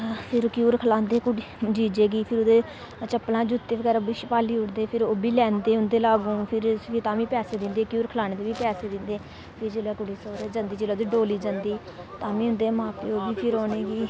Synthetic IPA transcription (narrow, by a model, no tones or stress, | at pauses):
pʰɪɾkjuːɾkʰəlaːnd̪eːkʊɽ | d͡ʒiːd͡ʒeːɡiːpʰɪɾʊd̪eː | t͡ʃəpːlãːd͡ʒʊt̪ːeːʋəkɛːɾabiːʃpaːliːʊɽd̪eːpʰɪɾoːbiːlɛːnd̪eːʊnd̪eːlaːɡũːpʰɪɾʰt̪ãːʋĩːpɛːseːd̪ɪnd̪eːkjuːɾkʰəlaːneːd̪eːʋiːpɛːseːd̪ɪnd̪eː | pʰɪɾd͡ʒeːlɛːkʊɽiːsoːɾeːd͡ʒə̃nd̪iːd͡ʒeːleːd̪iːɖoːliːd͡ʒənd̪iː | t̪ãːʋĩːʊ̃nd̪eːmãːpeːoːbiːpʰɪɾoːneːɡiː